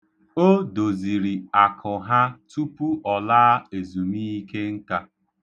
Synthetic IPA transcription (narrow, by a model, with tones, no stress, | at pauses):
o˦do˨zi˨ɾi˨a˨kʰʊ˨ɦa˦tu˦pu˦ʔɔ˨laː˦e˨zu˨mi˦i˦ke˦ŋ̩˦ka˦